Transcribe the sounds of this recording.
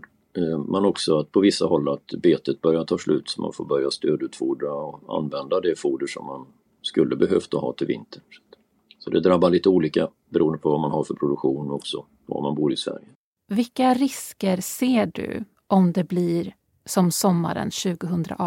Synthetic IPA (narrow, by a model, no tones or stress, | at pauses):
manɔksɔat̪̚pʰɔvɪsːaɦɔlːat̪beːt̪ət̪̚bœɾjat̪ʰɑːslʉ̟ːt̪sɔmʔa̰nfoːbœɾjast̪øːd̪ʉ̟ːt̪fuːɖɾaɔa̰nvɛnd̪ad̪ɛfuːɖəʂɔ̰mːan | skɵlːəbɛɦøːft̪ahɑ̰ːt̪ʰɪlvɪ̰nt̪ʰəɳsɛ̥t̪ː | sɔd̪ɛd̪ɾabːaɭiːt̪əuːliːka | bɛɾuːənd̪əpʰɔvamanhaɾfœɾpʰɾʊd̪ɵkɧuːnɔksɔ | va̰manbuːɾɪsvæ̰ɾjə | vɪkːaɾɪskəɾseːɖɵ̰ | ʔɔmd̪ɛbliɾ | sɔmsɔmːa̰ɾə̰nɕʉ̟ːɡəɦɵnd̪ɾa̰ʔ